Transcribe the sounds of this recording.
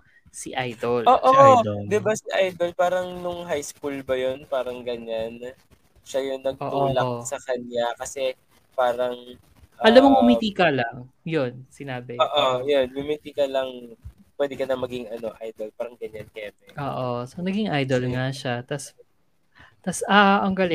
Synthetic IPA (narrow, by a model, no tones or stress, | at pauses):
siʔajd̪olʔoːʔoʔd̪ɛbasiʔajd̪olpaːɾɐŋnʊŋɦajskulbɐjonpaːɾɐŋɡɐɲan | ʃajʊŋnɐɡ̚ʔoːʔlaosɐkɐɲjakɐsɛ | paːɾɐŋ | ʔɐʔɐlamːoŋɡʊmit̪iːkɐlɐŋ | jonsɪnaːbɪoːʔojonɡʊmit̪iːkɐlɐŋ | pwɛd̪ɛkɐnɐmɐɡɪŋɐno̞ʔajd̪olpaːɾɐŋɡɐɲankɛːmɛʔoːʔosonɐɡɪŋʔajd̪o̞lŋaʃat̪ɐs | t̪asʔaʔɐŋɡɐlɛ